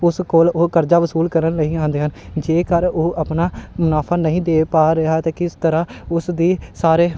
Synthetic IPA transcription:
ʊskoːloːkəɾd͡ʒaːʋəsuːlkəɾənləiːãːnd̪eːɦənd͡ʒeːkəɾoːʔəpnaːmʊnaːpʰaːnəɦĩːd̪eːpaːɾəɦaːt̪eːkɪst̪əɾãːʊsd̪iːsaːɾeː

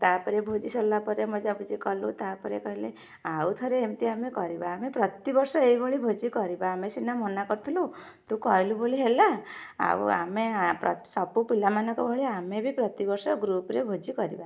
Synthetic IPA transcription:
t̪apɔɾebʱod͡ʒisɔlapɔɾemɔd͡ʒabud͡ʒikɔlut̪apɔɾekɔɦile | aut̪ʰɔɾeːmt̪iamekɔɾibaːmepɾɔt̪ibɔɾsɔeibʱɔɭibʱod͡ʒikɔɾibaːmesinamɔnakɔɾt̪ʰilu | t̪ũkɔɦjluboliɦela | a̰ṵa̰mepɾɔ̰sɔbupilamanɔ̃kɔbʱɔɭiamebʱipɾɔt̪ibɔɾsɔɡɾupɾebʱod͡ʒikɔɾḭba

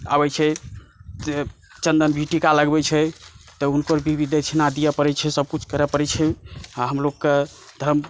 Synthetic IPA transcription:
abɛt͡ʃʰɛ | e | t͡ʃənd̪ənbʱiʈikaləɡbɛt͡ʃʰɛt̪ɔunkəɾbʱibid̪ʱet͡ʃʰinad̪ijɛpəɾɛt͡ʃʰɛsəb̚kut͡ʃʰkəɾɛpəɾɛt͡ʃʰɛaɦəmlokkːe | d̪ʱəm

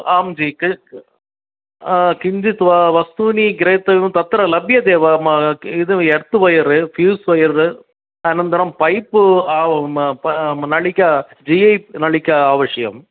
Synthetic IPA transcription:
aːmd͡ʒik | kɪɲd͡ʒit̪ʋʋɐst̪uniɡɪɾɐjt̪ːɐʋjumt̪ɐt̪ːɐɾɐlɐbjɐd̪eːʋamɪðɯɛɽɯt̪ːɯʋɐjɐɾɯfjuːsʋɐjɐɾɾɯ | ɐnɐnd̪ɐɾɐmpɐɪpːɯaː | nɐɭɪkʲːɐa | d͡ʒiɐɪnɐɭɪkʲːɐaːʋɐʂɐjɐ̰m

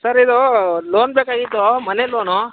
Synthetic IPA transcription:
sɐɾid̪oloːnbeːkaːɡit̪ːomɐneloːno

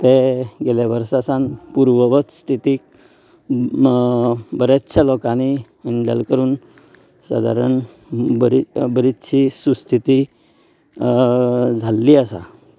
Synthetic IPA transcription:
t̪eɡelaʋəɾsasanpuɾʋəʋət̪st̪ʰit̪iːk̚ | bəɾet̪ɕʰalɔkani | ɳɖja̰lkəɾuːn | sa̰d̪ʱa̰ɾəɳ | bəɾibəɾit̪ɕʰiːsust̪ʰit̪i | d͡zʱalːiəsa̰

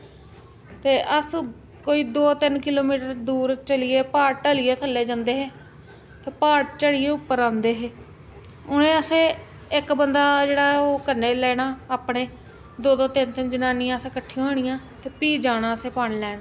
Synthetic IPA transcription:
t̪eːʔəs | koːiːd̪oːt̪ɪnkɪloːmiːʈəɾd̪uːɾt͡ʃəlɪjeːpaːʈʈəlɪjeːt̪ʰəlːeːd͡ʒãːnd̪eːɦeː | t̪eːpaːʈ̚t͡ʃəɽɪjeːʊpːəɾãːnd̪eːɦeː | ʊnẽːəsẽː | ɪkbənd̪aːd͡ʒeːɽaːoːkəɾneːlɛːɽaːaːpɽeː | d̪oːd̪õːt̪ɪnt̪ɪnd͡ʒənaːnɪjãːəsẽːkəʈʰːɪjãːɦoːɽ̃ɪjãː | t̪eːpiːd͡ʒaːnãːəseːpanlɛːnaː

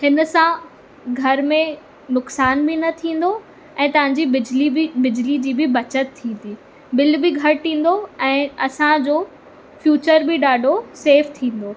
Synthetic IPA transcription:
hɪnə̆sã | ɡʱɐɾmẽ | nʊksaːnbɪnɐt̪ʰĩːn̆d̪o | ɛ̃ːt̪ɐʋ̤ãːɲd͡ʑiɪd͡ʑliɪbɪd͡ʑlid͡ʑiːbɪbɐt͡ɕət̪ʰːĩːn̆d̪iː | bɪlbɪɡʱɐɾt̪ʰĩːn̆d̪oɛ̃ːɐsãd͡ʑoː | fjuːt͡ɕəɾbɪɗaːɖʱoseːft̪ʰĩːn̆d̪oː

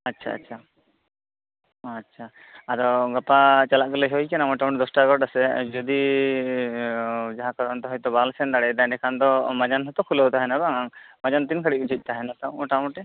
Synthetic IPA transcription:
atːʃʰa̰ːtːt͡ʃʰa | atːʃʰa | aɾɔɡɔpat͡ʃalaʔ̚kɔlɛɦɔjkɛnamɔʈaw̃ɳʈɛd̪ɔsʈaɡɔʈasɛd͡ʒɔd̪i | d͡ʒaɦãkaɾɔnt̪ɔɦɔjt̪ɔbalsɛnd̪aɽɛd̪ajɖɛkʰand̪ɔmad͡ʒanɦɔt̪ɔkʰulɔɦut̪aɦɛnabaŋaŋmad͡ʒant̪inkʰəɽid͡ʒʰʱuc̚t̪aɦɛnat̪aw̃ɔʈawɳʈɛ

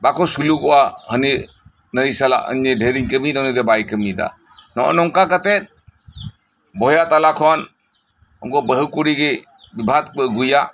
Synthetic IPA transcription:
bakɔsulukɔwʔahəni | nəisala̰ʔə̰ɲɲedʱeɾiŋkəmid̪ɔniɾɛbajkəmid̪a̰ | nɔ̰ʔɔ̰nɔŋkakat̪ɛt̪̚ | bɔjat̪alakʰɔn | ɔ̰ŋkɔbəɦəkuɾiɡe | bibʱat̪əɡuja

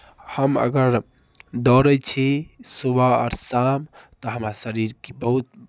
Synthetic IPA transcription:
həmə̰ɡəɾ | d̪ɔɾɛjt͡ʃʰisubaɔ̰ɾsamt̪ɔɦəmɾasəɾiɾkebəɦut̪̚

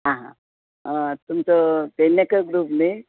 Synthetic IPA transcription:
ɦãɦã̰ | t̪umt͡sət̪enːakəɡɾuːpne

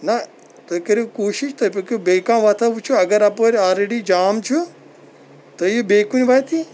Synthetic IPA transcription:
nɐ | t̪oːikɐɾekoːʃiʃt̪ɐpʲokbeːkãmʋɐt̪ʰɐʋut͡ʃʰuɐɡɐɾɐpoɾɔːlɾeɽid͡ʒaːmt͡ʃʰu | t̪ɐijobeːkunibʱaːt̪ʰi

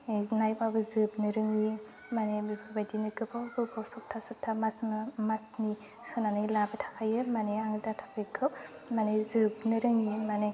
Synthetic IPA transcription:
najbabɯzɯp̚nɯɾɯŋi | manebajdinɯɡɯbawbɯbɔsɔk̚tʰasɔk̚tʰamasmɯmasni | sɯnanɯlabɯtʰḁkʰajɯmaneaŋdatʰapʰɯkʰɯp̚ | manezɯb̚nɯɾɯŋimane

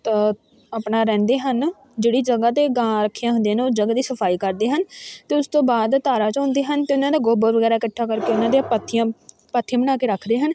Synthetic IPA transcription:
t̪ə | apnaːɾɛ̃ːnd̪eːɦən | d͡ʒeːɽiːd͡ʒəɡaːt̪eːɡãːɾəkʰːijãːɦʊ̃nd̪eaːnːoːd͡ʒəɡad̪iːsəpʰaːiːkəɾd̪eːɦənt̪eːʊst̪õːbaːd̪t̪aːɾaːt͡ʃõːnd̪eːɦənt̪eːʊnãːd̪aːɡoːbəɾʋəɡɛːɾaːɪkəʈʰːaːkəɾkeːʊnãːd̪eːpət̪ʰːɪjãː | pət̪ʰːijãːbəñaːkeːɾəkʰd̪eːɦən

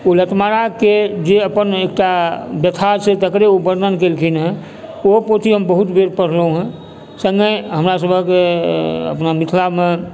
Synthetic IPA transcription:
olət̪maɾaked͡ʒeəpənek̚ʈabjət̪ʰaɾset̪əkɾeobəɾnənkelkʰinɦɛ̃ | opot̪iɦəmbəɦut̪beɾpəɽ̤ləɦũɦɛ̃ | sə̃ŋɡəjɦəmɾasəbʱəkeə̰pnamit̪ʰlamẽ

